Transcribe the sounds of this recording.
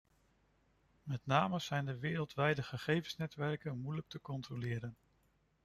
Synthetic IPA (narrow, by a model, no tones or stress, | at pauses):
mɛtnaːməz̥ɛjndəʋɪːɾəlˠtʋɛjdəχəχejvənsnɛtʋɛrkənmujlək̚təkɔntrolɪːɾən